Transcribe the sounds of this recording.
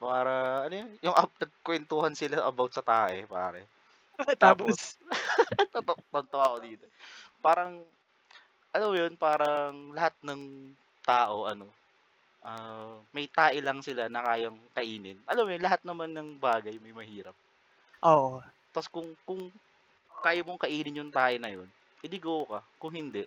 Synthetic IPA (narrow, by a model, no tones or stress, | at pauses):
paːɾɐʔɐnojjʊŋʔɐnɐɡ̚kwɛnt̪ʊhɐnsɪlaʔɐbawt̪̚sɐt̪aːʔɛpaːɾɛ̰ | t̪aːpos | t̪t̪ot̪ɐnt̪oʔɐkod̪iːt̪opaːɾɐŋ | ʔɐlɐmojonpaːɾɐŋlɐhat̪̚nɐŋ | t̪aːʔo̞ʔɐno̞ | ʔamɐjt̪aːʔɪlɐŋsɪlanɐkaːjɐŋkɐʔiːnɪnʔɐlamojonlɐɦat̪̚nɐmanːɐŋbaːɡɐjmɐjmɐhiːɾɐp̚ | ʔoʔo | t̪ɐskʊŋkʊŋ | kaːjɐmoŋkɐʔiːnɪnjʊŋt̪aːʔɪnɐjo̞n | ʔɪlɪɡowokɐkʊŋhɪnd̪ɛʔ